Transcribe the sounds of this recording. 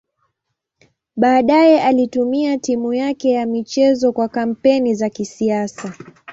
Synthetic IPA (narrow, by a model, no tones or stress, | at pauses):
ɓaːɗajɛʔalitumiatimujakɛjamit͡ʃɛzɔkwakam̩pɛnizakisiasa